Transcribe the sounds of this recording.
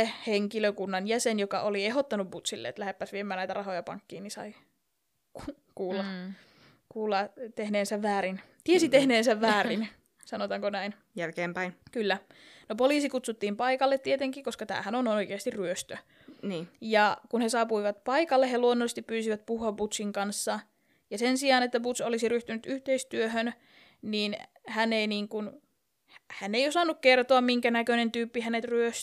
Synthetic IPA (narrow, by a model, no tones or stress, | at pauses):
eheŋkiløkunːɑnjæsenjokɑ̰ʔolieɦot̪ːɑnubut̪silːḛḛt̪læhepːæsʋiemæːnæit̪ɑrɑhojɑpɑ̰ŋkːiːnisɑ̰i | ku | kuːlːɑ | kuːlːɑt̪ehneːnsæʋʋæːɾint̪iesit̪ehneːnsæʋːæːrin | sɑnot̪ɑŋkonæin | jælkeːmpæinkylːæ | nopoliːsikut̪sut̪ːiːmpɑikɑlːet̪t̪ːiet̪eŋkikoskɑt̪æ̰ːhænonooikeɑst̪irryøst̪ø | niːjɑkunhesɑːpuiʋɑt̪pɑikɑlːehːeluonːolːist̪ippyːsiʋæt̪̚puhuɑbut̪siŋkɑnsːɑ | jɑsensiɑːnet̪ːæput̪solisiryht̪ynyt̪yht̪eist̪yøhøn | niːn | hæneiniːŋkun | hænːeijosɑnːukkert̪oɑmmiŋkænækønent̪yːpːihænet̪ryøs